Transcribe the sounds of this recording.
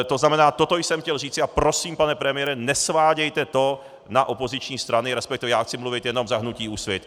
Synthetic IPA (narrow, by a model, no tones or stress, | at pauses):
t̪o̞znamɛnaːt̪o̞t̪ojsɛmxcɛlriːt͡sɪapɾo̞siːmpanɛpɾɛmɪjɛɾɛnɛsvaːɟɛjt̪ɛt̪o̞ | naʔo̞po̞zɪt͡ʃɲiːst̪ɾanɪɾɛspɛk̚t̪ɪvɛjaːxt͡sɪmluvɪt̪jɛno̞mzaɦnuciːusvjɛt̪